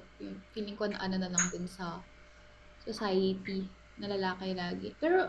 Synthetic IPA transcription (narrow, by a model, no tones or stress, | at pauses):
jonkilɪŋkonɐʔɐnɐnɐlɐŋd̪ʊnsɐ | sosajt̪i | nɐlɐlaːkejlaːɡɪ̰pɛːɾo